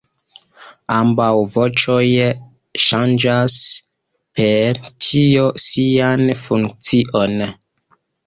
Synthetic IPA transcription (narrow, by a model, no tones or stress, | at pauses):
ambawvo̞t͡ʃo̞j | ʃand͡ʒas | pʰe̞ɾtʰiosianfuŋk̚t͡siʔo̞n